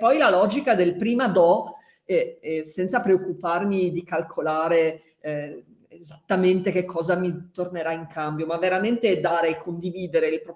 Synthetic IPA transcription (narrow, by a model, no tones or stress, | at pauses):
pːɔjlalɔːd͡ʒikad̪elpɾiːmad̪ɔ | ɛsɛnt̪sapɾeokːuparmid̪ikalkʰolaːɾe | ezat̪ːament̪ek̟ekʰːɔːzamit̪orneɾaiŋkambjomavːeɾament̪ed̪aːɾeːkʰːond̪iviːd̪eɾeilpɾ